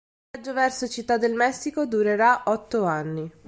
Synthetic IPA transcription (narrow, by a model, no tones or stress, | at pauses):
ad͡ʒːovɛrsot͡ʃit̪ːad̪ːelmɛsːikod̪uɾeɾaʔɔt̪ːoanːi